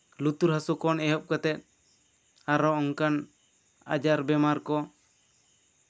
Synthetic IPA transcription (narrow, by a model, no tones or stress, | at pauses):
lut̪uɾɦasukɔnɛɦɔp̚kat̪ɛt̪̚ˀ | aɾɔɔŋkan | a̰d͡ʒaɾbɛmaɾkɔ